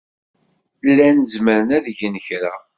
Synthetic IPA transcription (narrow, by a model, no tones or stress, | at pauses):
θlːænəzməɾənæðʝənçɾa